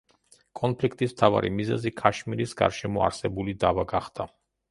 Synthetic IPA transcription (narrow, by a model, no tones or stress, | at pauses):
kʼɔnpʰlik̚ʰt̪ʼismt̪ʰava̰ɾḭmizɛ̰zikʼaʃmiɾisɡa̰ɾʃɛmɔa̰ɾsɛbulid̪avaɡaχd̪a